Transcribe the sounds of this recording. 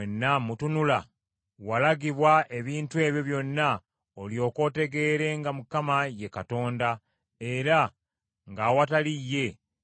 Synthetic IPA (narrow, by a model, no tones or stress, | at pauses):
enːamutunula | walaɡiβwaʔe̞βiːntue̞ːβjo̞βjo̞nːa | oljo̞ːko̞ːte̞ɡe̞ːɾe̞ŋɡamukamaje̞kato̞ːnda | e̞ɾa | ŋɡawatalijːe̞